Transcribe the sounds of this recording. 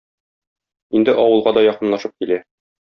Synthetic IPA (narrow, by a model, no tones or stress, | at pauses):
ind̪ɘʔɒwɤ̆lˠʁɑd̪ɒjɒqɤ̆nlˠɑʃɤp̚kilæ